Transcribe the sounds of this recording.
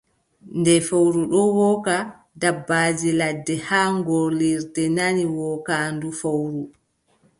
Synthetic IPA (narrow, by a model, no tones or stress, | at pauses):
ndɛfawɾuɗɔwɔːka | dabːaːd͡ʒiladːɛhaŋɡoliɾdɛnaniwɔːkandufawɾu